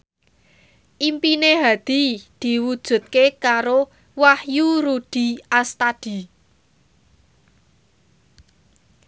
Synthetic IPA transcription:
ʔimpineɦad̪̥i̤d̪̥i̤wud̥ʒ̥ṳt̪̚kekaɾo | wahjuɾud̪̥i̤ʔast̪ad̪̥i̤

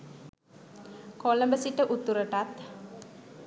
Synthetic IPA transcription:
koləmbəsiʈəʔut̪ːuɾəʈat̪

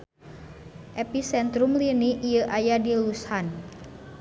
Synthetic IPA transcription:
ʔepisɛnt̪ɾumliniʔijəʔajadilushan

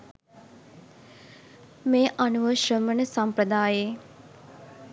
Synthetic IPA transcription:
meːʔanuʋəʃrəmənəsampɾəd̪aːjeː

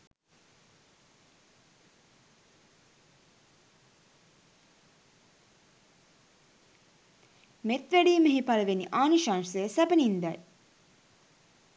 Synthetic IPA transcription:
met̪ʋæɖiːməɦipaləʋeniʔaːnuʃansəəsæbənind̪æ

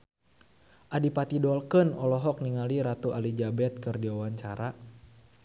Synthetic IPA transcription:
ʔadipat̪idɔlkɨnɔlɔɦɔk̚niŋaliɾat̪uʔalid͡ʒabɛt̪̚kɨrdiwawaɲt͡ʃaɾa

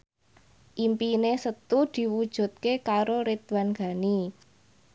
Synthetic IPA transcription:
ʔimpinesət̪ud̪̥i̤wud̥ʒ̥ṳt̪̚kekaɾoɾet̪̚wanɡ̥a̤ni

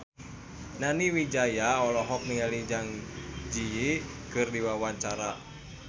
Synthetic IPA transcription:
naniwid͡ʒajaɔlɔɦɔk̚niŋalid͡ʒaŋd͡ʒijikɨrdiwawaɲt͡ʃaɾa

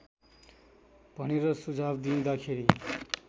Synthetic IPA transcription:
b̥ʱʌneɾʌsud͡zʱabd̪ĩd̪ʌkʰeɾi

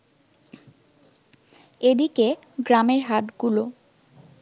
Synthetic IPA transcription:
ed̪ike | ɡɾameɾɦaʈɡulo

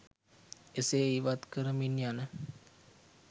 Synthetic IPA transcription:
eseiʋat̪kəɾəminjanə

